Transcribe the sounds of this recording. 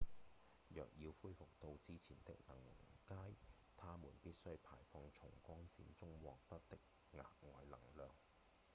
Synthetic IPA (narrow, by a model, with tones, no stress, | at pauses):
jœ̰ː˨k̚jiː˧wfuː˥jfʊ˨k̚t̪o˧wt͡siː˥t͡sʰiː˨˩nt̪ɪ̰˥k̚nɐ˨˩ŋkaː˥j | t̪ʰaː˥muː˨˩npiː˥t̚sɵ˥ɥpʰa̰ː˨˩jfɔː˧ŋt͡ʃʰʊ˨˩ŋkʷɔː˥ŋsḭː˨˧˥nt͡sʊ˥ŋwɔː˨k̚t̪ɐ˥t̚t̪ɪ˥k̚ | ŋa̰ː˨k̚ŋɔː˨˧jlɐ̰˨˩ŋlœː˨ŋ